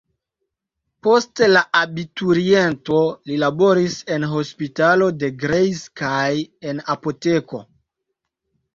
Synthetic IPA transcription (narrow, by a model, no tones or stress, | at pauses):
po̞stlaʔabituɾie̞nto̞lilabo̞ɾise̞nɦo̞spitalo̞de̞ɡɾejskajenapo̞te̞ko̞